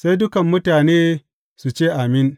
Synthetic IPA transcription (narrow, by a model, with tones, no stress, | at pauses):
sa˦jdʊ˦kɐ˨mːʊ˦taː˨neː˦ | su˨t͡ʃeː˦˨ʔa˨mɪ˦n